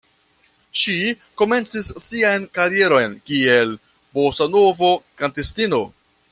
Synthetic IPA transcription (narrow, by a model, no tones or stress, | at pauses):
ʃi | ko̞me̞nt͡sisːiajnkaɾie̞ɾo̞jnkiel | bosano̞vo̞kantestino̞